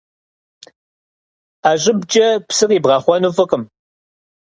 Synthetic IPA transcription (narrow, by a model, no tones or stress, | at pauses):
aːɕʼɪbd͡ʒʼɐpsɨrʼiːbʁɑːχʷɔnuːfɨqʼəm